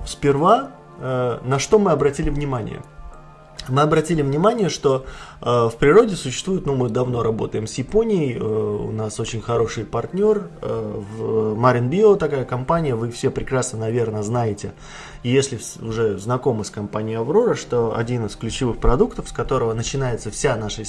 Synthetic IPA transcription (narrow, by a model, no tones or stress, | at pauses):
fsʲpʲɪrva | ənɐʂt̪o̞mɨɐbɾɐtʲilʲɪvnʲɪmanʲɪ̰jə̰ | mɨɐbɾɐtʲilʲɪvnʲɪmanʲɪjəʂt̪o̞əfpɾʲɪɾo̞dʲɪsʊɕːɪ̥st̪vujɪt̪numɨd̪ɐvno̞ɾɐbo̞̰t̪əjɪmsjɪpo̞nʲɪjəjəʊ̰naso̞t͡ɕɪnʲxɐɾo̞ʂɨjpɐrtʲnʲo̞rvmaɾʲɪnbʲilt̪ɐkajəkɐmpanʲɪjəvɨfsʲepɾʲɪkɾasnənɐvʲe̞rnəznajɪtʲɪ | ijesʲlʲɪf | ʊʐɛznɐko̞məsʲkɐmpanʲɪjɐvo̞ɾəʂt̪o̞ɐ̰dʲinɨsklʲʉt͡ɕɪvɨxpɾɐd̪ukt̪əfskɐt̪o̞ɾəvənət͡ɕɪnajɪt̪səfsʲanaʂə